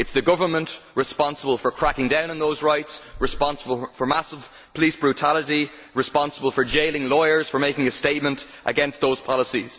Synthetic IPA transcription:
ɨtsðəɡʊvə˞mə̃nʔɹɪspɑ̃nsəbəlˠfə˞kʰɹ̥akɪ̃ŋdãʊ̃nə̃nðoʊzɹaɪtsɹɪspɑ̃nsəbəlˠfə˞masəv̥ | pʰəliˑsb̥ɹutʰaləɾi | ɹɨspɑ̃nsəbəlˠfə˞d͡ʒeɪlɪ̃ŋlɔɪə˞z̥fə˞meɪkɪ̃ŋəsteɪt̚mə̃nt | ʔə̰ɡɛ̃nst̪̚ðoʊz̥pʰɑlˠəsiz̥

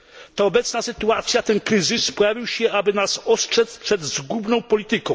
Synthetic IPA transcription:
t̪aɔbɛt̪snasɘt̪uat̪sʲjat̪ɛnkɾɘzɨspɔjavʲiwɕɛʔabɘnasɔstʂɛt̪spʂɛd̪zzɡubnɔ̃w̃pɔlʲit̪ɘkɔ̃w̃

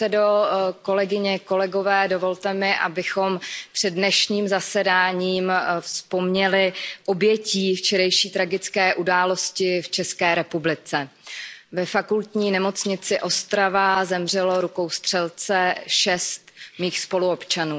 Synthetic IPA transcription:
ɛdoko̞lɛɡɪɲɛko̞lɛɡo̞vɛːdo̞vo̞lt̪ɛmɪʔa̰bɪxo̞mpr̝̥ɛdnɛʃɲiːmzasɛdaːɲiːmfspo̞mɲɛlɪʔo̞bjɛciːft͡ʃɛɾɛjʃiːt̪ɾaɡɪt͡skɛːʔudaːlo̞scɪft͡ʃɛskɛːɾɛpublɪt͡sɛ | vɛfakult̪ɲiːnɛmo̞t͡sɲɪt͡sɪʔo̞st̪ɾavazɛmr̝ɛlo̞ɾuko̞wst̪r̝̥ɛlt͡sɛʃɛst̪miːxspo̞luopt͡ʃanuː

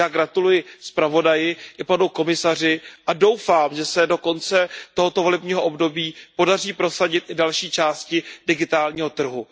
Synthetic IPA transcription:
aːɡɾat̪ulujɪspɾavo̞dajɪʔɪpanuko̞mɪsar̝ɪʔado̞wfaːmʒɛsɛdo̞ko̞nt͡sɛt̪o̞ɦot̪ovo̞lɛbɲiːɦoʔobdo̞biːpo̞dariːpɾo̞saɟɪt̪ʔɪdalʃiːt͡ʃaːscɪdɪɡɪt̪aːlɲiːɦo̞t̪r̩ɦu

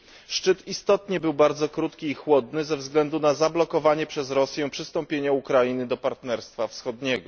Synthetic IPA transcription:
ʂt͡ʂɘt̪ist̪ɔt̪ɲɛbɘwbaɾd̪zɔkɾut̪kʲiːxwɔd̪nɘzɛvzɡlɛnd̪unazablɔkɔvaɲɛpʂɛzɾɔsʲjɛ̃pʂɘst̪ɔmpʲjeɲaukɾajinɘd̪ɔpaɾt̪nɛɾst̪fafsxɔd̪ɲɛɡɔ

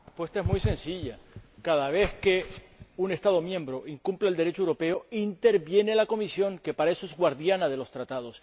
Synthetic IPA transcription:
pwe̞st̪ae̞zmujsẽ̞nsiʎakað̞aβ̞e̞θke | une̞st̪að̞o̞mjẽ̞mbɾo̞ʔiŋkumplaeld̪e̞ɾe̞t͡ʃoewɾo̞pe̞o̞int̪e̞ɾβje̞ne̞lako̞misjo̞ŋke̞paɾae̞soe̞zɣwaɾðjanaðe̞lo̞st̪ɾat̪að̞o̞s

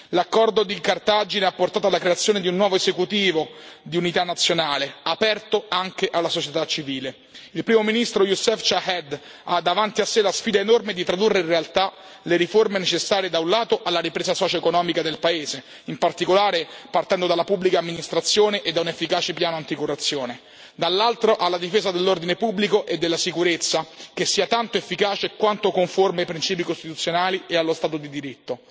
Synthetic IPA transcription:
lakːɔrd̪od̪ikart̪ad͡ʒineapːort̪aːt̪oalːakɾeat̪sːjoːned̪iunːwɔːvoezekut̪iːvod̪iunit̪anːat̪sːjonaːleapɛrt̪oaŋkeʔalːasot͡ʃet̪at͡ʃːiviːle | ilpɾiːmominist̪ɾojusɛft͡ʃahɛd̪ | a̰d̪ːavant̪iasːelasfiːd̪aenormed̪it̪ɾad̪urːeĩnrealt̪a | leɾiformenet͡ʃesːaːɾijed̪aunlaːt̪oʔalːaɾipɾeːzasɔːt͡ʃoekonɔːmikad̪elpaeːze | impart̪ikolaːɾepart̪ɛnd̪od̪alapubːlikaːmːinist̪ɾat̪sːjoːneʔed̪ːaunefːikaːt͡ʃepjaːnoant̪ikorːat̪sːjoːne | d̪alːalt̪ɾoʔalːad̪ifeːzad̪elːord̪inepubːlikoʔed̪ːelːasikuɾet̪sːak̟esːiːat̪ant̪oefːikaːt͡ʃekwant̪okoɱformeajpɾint͡ʃiːpikost̪it̪ut̪sːjonaːliealːost̪aːt̪od̪id̪iɾit̪ːo

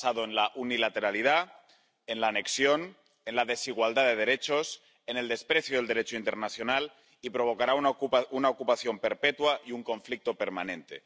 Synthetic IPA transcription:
aðoenlaʔunilat̪e̞ɾaliða | enlaːne̞ksjo̞n | enlaðe̞siɣ̞wald̪aðeð̞e̞ɾe̞t͡ʃo̞s | ene̞ld̪e̞spɾeθjoð̞eld̪eɾe̞t͡ʃoint̪e̞ɾnaθjo̞nal | ipɾo̞β̞o̞kaɾauunaokupaθjo̞mpeɾpet̪waiuŋko̞ɱflik̚t̪o̞peɾmanẽ̞nt̪e

